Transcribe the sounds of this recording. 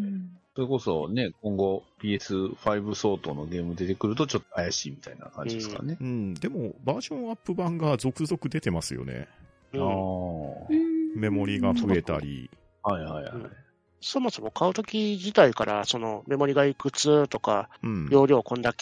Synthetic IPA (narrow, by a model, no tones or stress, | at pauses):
so̞ɾe̞ko̞so̞ne̞k̚õŋɡo̞bʲiːesɨɸaibɯ̟so̞ːt̪o̞no̞ɡʲe̞ːmɯ̟d̪e̞t̪e̞kɯ̟ɾɯ̟t̪o̞t͡ɕo̞t̪ːoajaɕiːmʲi̥t̪aina̰kãɲideska̰neɯ̟̃ɴd̪e̞mo̞baːʑõ̞ɰ̃apːɯ̟bãŋɡazo̞kɯ̟zo̞kɯ̟d̪e̞t̪e̞masɨjo̞̰nḛ | ɯa | me̞mo̞ɾʲiɡaɸɯ̟e̞t̪a̰ɾʲḭ | haihaiha̰i | so̞mo̞so̞mo̞kʰaɯ̟t̪o̞kʲid͡ʑit̪aikaɾaso̞no̞me̞mo̞ɾʲiɡaikɯ̟t͡sɨt̪o̞ka̰ɯ̟̃ɴjo̞ːɾʲo̞ːkõ̞nd̪akʲ